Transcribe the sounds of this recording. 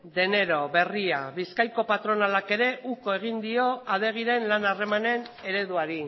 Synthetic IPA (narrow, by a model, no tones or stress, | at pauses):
d̪e̞ne̞ɾo̞βe̞ria̰βiskajko̞pat̪ɾo̞nalake̞ɾe̞ʔuko̞e̞ɣ̞ind̪io̞að̞e̞ɣ̞iɾe̞nlanare̞mane̞n | e̞ɾe̞ðuaɾi